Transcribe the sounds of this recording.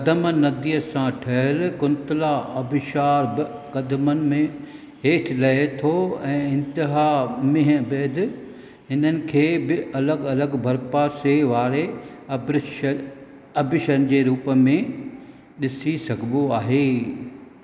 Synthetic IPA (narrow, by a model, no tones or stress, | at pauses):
kɐd̪əmənɐd̪iːəsãʈʰɐɦɪlkʊnt̪ɪlaɐbɪʃaːɾbɪkɐd̪mənɪ̆mẽ | ɦeːʈʰlɐɦet̪ʰoɛ̃ːɪ̃nt̪ɪɦamɪ̃ɦə̃beːd̪ɪ | ɦɪnənɪ̆kʰeːbɪʔɐləɡɐləɡbʱɐɾpaːseʋaːɾe | b | ɐbɪʃənɪ̆d͡ʑeːɾuːpəmẽ | ɗɪsisɐɡʱɪboaːɦeː